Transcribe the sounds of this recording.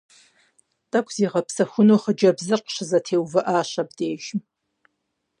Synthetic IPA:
tʼakʷʰʼz̥iːʁɐpʰsɐxʷʊnoχəd͡ʒɐbzɨrqʃɨzɐtʰeːwvɨʔaːʃɐbdeːʒ̥m

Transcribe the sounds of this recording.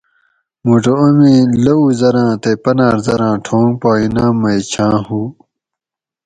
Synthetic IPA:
muːʈoɐmĩlɐuzɐɾãːt̪epɐnaːɾzɐɾãːʈʰõːŋɡpaːinãːmɐjt͡ɕʰãːhuː

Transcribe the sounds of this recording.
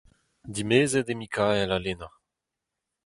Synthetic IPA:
d̪imeːzɛd̪emikʰaɛlalena

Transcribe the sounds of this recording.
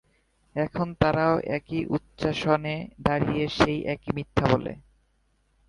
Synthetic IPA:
ɛkʰont̪aɾaoʔɛkiʔutːɕaʃoned̪aɾijeʃejʔɛkimit̪ʰːabolḛ

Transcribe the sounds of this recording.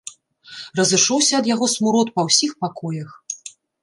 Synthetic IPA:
rɐzɨʂɔwsʲɐɐd̪jaɣɔsmuɾɔt̪pɐwsʲixpakɔjɐx

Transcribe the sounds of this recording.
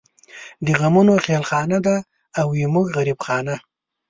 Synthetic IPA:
d̪əɣamunoxelxɑnad̪aː | wemuɡɣaɾibxɑːna

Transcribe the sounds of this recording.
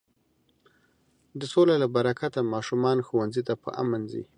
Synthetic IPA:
d̪əsolalabaɾakʰat̪amɑʃumɑnxowanzit̪apə̰ʔa̰manzḭ

